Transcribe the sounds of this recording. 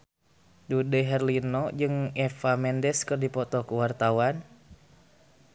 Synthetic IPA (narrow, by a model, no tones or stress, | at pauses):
dudɛɦɛrlinɔd͡ʒɨŋɛfamɛndɛskɨrdipɔt̪ɔkuwart̪awan